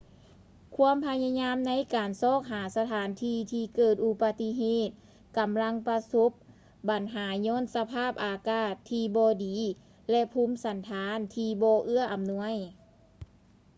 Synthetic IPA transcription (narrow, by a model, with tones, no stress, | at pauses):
kʰu˧˥əmpʰa˧ja˧ɲaː˧˥mna˧˥jkaː˨nsɔː˧˥˩k̚ɦaː˩˦sa˧t̪ʰaː˨˩˦nt̪ʰiː˧t̪ʰiː˧kɤː˧˩t̪̚ʔu˧pa˧t̪i˧˥ɦeː˧˩t̪̚ | ka˨mla˧˥˨ŋpa˧so˧˦˥p̚ | ba˨˩nɦaː˩˦ɲɔː˧˥˨nsa˧pʰaː˥˩p̚ʔaː˨kaː˧˩t̪ʰːiː˧bɔː˧diː˨˦ | lɛ˧ʔpʰuː˧˥msa˨˦nt̪ʰaː˨˧˥nt̪ʰiː˧bɔː˧ʔɯ˧˥˩ɐʔa˨mnu˧˥əj